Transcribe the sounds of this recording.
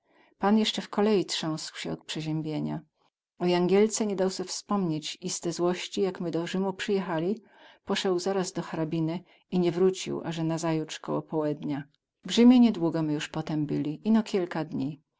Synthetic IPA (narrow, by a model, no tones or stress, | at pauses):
panjɛʂt͡ʂɛfkɔlɛjitʂɔ̃w̃swɕɛɔt̪̚pʂɛʑɛmbʲjeɲa̰ | ɔjaŋɡʲɛlt̪sɛɲɛd̪awsɛfspɔmɲet͡ɕist̪ɛzwɔɕt͡ɕijakmɘd̪ɔʐɘmupʂɘjɛxalʲi | pɔʂɛwzaɾazd̪ɔxaɾabʲinɘ | iɲɛvɾut͡ɕḭwʔa̰ʐɛnazajutt͡ʂkɔ̰wɔ̰pɔwɛd̪ɲa | vʐɘmʲjeɲɛd̪wuɡɔmɘjuʂpɔt̪ɛmbɘlʲiʔinɔkʲʰilkad̪ɲi